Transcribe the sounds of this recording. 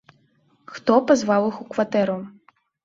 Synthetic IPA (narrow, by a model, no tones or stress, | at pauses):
xt̪ɔpazvawixukvat̪ɛɾu